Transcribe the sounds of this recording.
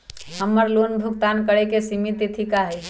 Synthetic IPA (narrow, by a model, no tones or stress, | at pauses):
ɦəmːəɾloːnbʱʊk̚t̪aːnkəɽekesimit̪it̪ʰikaɦɛi